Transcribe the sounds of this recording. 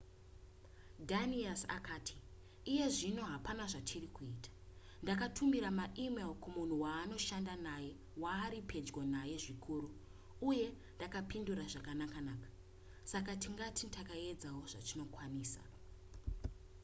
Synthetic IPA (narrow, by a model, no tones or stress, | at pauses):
dʱaniasa̰kaːtʰi̥ː | je̞ʐino̞ɦapanaʐatʰirikuiːtḁ | ndak̬atʰumiɾamaʔimelkumun̤uwaːno̞ʃandanaje̞ | waːɾipʰe̞d͡zɡonaje̞ʐikʰuːɾu | uje̞ | ndakapinduɾaʐakanakanaːkḁ | sakatiŋɡatintakae̞d͡zawo̞ʐa̰tino̞kwaniːsa̰